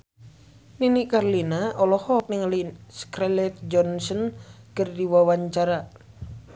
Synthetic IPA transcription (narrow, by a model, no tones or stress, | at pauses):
ninikarlinaɔlɔhɔk̚niŋliskɾɛlɛt̪̚d͡ʒɔnsɔnkɨrdiwawaɲt͡ʃaɾa